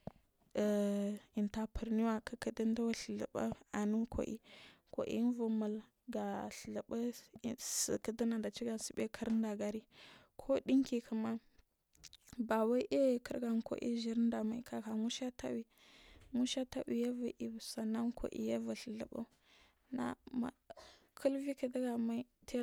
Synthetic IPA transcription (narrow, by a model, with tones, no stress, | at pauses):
i˨nta˨pʰə˨ɾni˦wa˦˨kə˨˦kə˦də˦n˦da˦wa˦ɬə˨lə̰˨ɓa̰˦a˨nu˦kʰo̰˨ʔḭ˦ | ko̰˨ʔḭ˦vu˨ma˨l | ɡa˨ɬɬə˨bə˦˨sə̰˨kə˦də˦na˨nda˨t͡ʃi˦ɡa˨si˨be˦kʰə˦ɾn˦da˨ɡa˨ɾi˦ | kʰo˦ɗi˦ŋki˨kə˨ma˦ | ba˨wa˦ʔe˦˨kə̰˦ɾɡa˨nko̰˨ʔḭ˦ʒi˨ɾnda˨ma˨i˨ka˨ka˨mu˦ʃa˦ta̰˦wi˦ | mu˦ʃa˦ta˦wi˨ja˦va˨ʔi˨bsa˨na˦nkʰo̰˨ʔḭ˦ja˦va˨ɬə˨lə̰˨ɓa̰˦ | na̰˨ma̰˨ | kʰu˦lvi˦kə˨da˦ɡa˨ma˦tʰe˦